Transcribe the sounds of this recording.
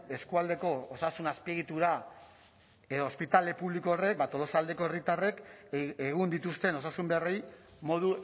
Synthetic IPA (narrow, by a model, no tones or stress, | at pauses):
e̞skuald̪e̞ko̞ːsasunaspieɣit̪uɾa | eðoːspit̪ale̞puβlikoore̞k̚bat̪o̞lo̞sald̪e̞ko̞erit̪are̞keɣ̞und̪it̪ust̪e̞no̞sasumbearejmo̞ðu